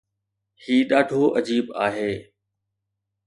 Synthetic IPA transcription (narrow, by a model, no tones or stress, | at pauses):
hiːɗaːɖʱoːʔəd͡ʑiːɓa̰ːɦeː